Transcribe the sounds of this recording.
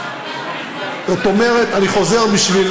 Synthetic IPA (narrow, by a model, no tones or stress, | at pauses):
zot̪o̞me̞ʁet̪aniχo̞ze̞ʁbiʃvil